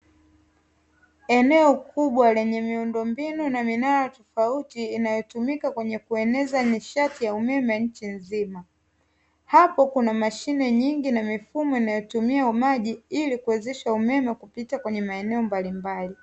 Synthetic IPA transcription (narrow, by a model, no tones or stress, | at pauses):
ɛnɛɔkʰuɓwalɛɲɛmiundɔmbinunaminaɾatɔfautiːnajɔtumikakwɛɲɛkuɛnɛzaɲiʃatijaumɛmɛɲ̩t͡ʃinzima | hapɔkunamaʃinɛɲiŋɡinamifumɔinajɔtumiaumaʄiilikuɛzɛʃaumɛmɛkupitakwɛɲɛmaɛnɛɔmbalimbali